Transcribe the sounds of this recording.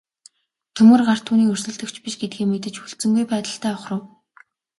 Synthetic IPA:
t̪ʰɵmɘ̆rɢar̥t̪ʰuːniːkɵr̥sɵ̆ɮt̪ɵ̆kt͡ɕpiʃɡet̪̚ɡeːmet̪ɘ̆t͡ɕxuɮt͡sɘ̆ŋɡujpæːt̪ə̆ɬt̪ʰæːʊχrə̆w

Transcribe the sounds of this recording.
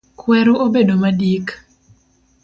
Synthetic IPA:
kwɛɾoobedomadik

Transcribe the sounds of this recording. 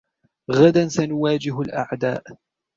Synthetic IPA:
ɣad̪ansanʊwaːd͡ʒɪɦalʔa̰ʕd̪a̰ːʔ

